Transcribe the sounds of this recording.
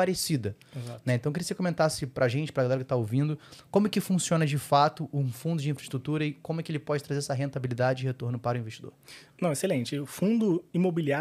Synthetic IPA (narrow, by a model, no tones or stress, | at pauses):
paɾesid̪ɐezanɛẽt̪ɐ̃w̃kɪɾiɐsekõmẽnt̪asɪpɾʔaʒẽt͡ʃɪpɾɐɡalɛɾɐkɪ̥t̪aowvĩnd̪ʊkõmʊɛkɪfũsiõnɐd͡ʒɪfat̪ʊʔʊfũnd̪ʊd͡ʒĩfɾɐɪʃt̪ɾut̪uɾɐɪkõmʊɛkɪelɪpɔd͡ʒɪt̪ɾazeɾɛsɐɦẽnt̪abilid̪ad͡ʒɪd͡ʒɪɦet̪oɾnʊpaɾʊĩveʃt͡ʃid̪o̰ɾnɐ̃w̃eselẽnt͡ʃɪʊfũd̪ʊimobilia